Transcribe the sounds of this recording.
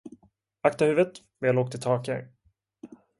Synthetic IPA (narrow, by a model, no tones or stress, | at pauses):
akt̪ahʉ̟ːvət̪ | mɛaloːk̚t̪ʰɪlt̪ʰɑːka̰ɾ